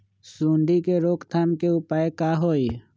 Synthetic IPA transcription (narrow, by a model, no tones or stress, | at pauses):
suːɳɖikeɾoːkt̪ʰaːnkeʊpaːekaːɦoːi